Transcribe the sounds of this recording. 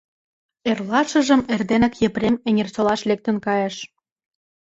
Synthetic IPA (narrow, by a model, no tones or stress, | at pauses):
erlɑʃə̆ʒə̆merd̪enæ̆kjĕprʲemĕŋʲert͡ɕolɑʃlek̚t̪ə̆nkɑjeʃ